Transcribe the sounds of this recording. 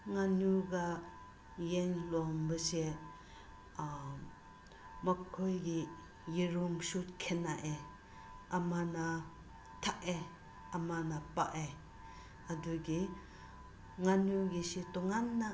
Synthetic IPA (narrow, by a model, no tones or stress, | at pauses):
ŋanuɡa | jeŋlɔmbəse | makʰojɡi | jiɾumsut̚kʰenaʔe | amana | tʰaʔe | amanapaʔe | aduɡi | ŋanuɡisitɔŋanːa